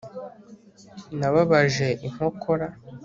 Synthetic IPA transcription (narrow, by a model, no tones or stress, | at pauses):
naβaβaʒe̞ʔim̥ho̞kʰoɾa